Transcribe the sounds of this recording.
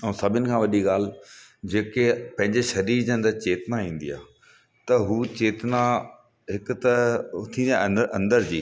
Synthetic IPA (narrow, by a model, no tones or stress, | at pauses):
ɛ̃sɐbʱɪnɪ̆kʰãːʋɐɗiɠaːl̤d͡ʑeːkepɐ̃ɦɪ̃ɲd͡ʑeʃɐɾiːɾd͡ʑə̃nd̪ət͡ɕeːt̪naĩːn̆d̪ija̰ː | t̪ɐɦuːt͡ɕeːt̪na | ɦɪkʊ̆t̪ɐt̪ʰĩnd̪ijaʔɐ̰̃nd̪əɾd͡ʑḭː